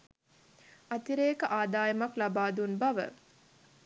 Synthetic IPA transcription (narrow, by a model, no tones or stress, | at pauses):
at̪iɾeːkəʔaːd̪aːjəmaklabaːd̪unbaʋə̰